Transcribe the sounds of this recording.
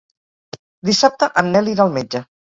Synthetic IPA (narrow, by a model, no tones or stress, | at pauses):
d̪isap̚t̪əʔənːɛliɾaːlˠmed͡ʒə